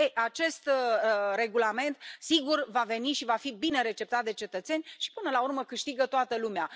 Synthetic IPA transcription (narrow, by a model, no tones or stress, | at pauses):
ejʔat͡ʃe̞st̪re̞ɡulame̞nt̪siɡurvave̞niʃivafibine̞ɾe̞t͡ʃe̞pt̪at̪̚d̪e̞t͡ʃe̞t̪ət̪se̞nʲʃi̥pɨnəlaurməkɨʃt̪iɡət̪oat̪əlumea